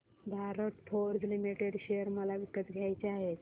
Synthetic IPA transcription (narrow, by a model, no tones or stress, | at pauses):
d̪ʱaɾəʈpʰoɾd͡zlimiʈeɽɕejəɾməlaʋikːət̪ɡʱjajt͡ɕeaɦet̪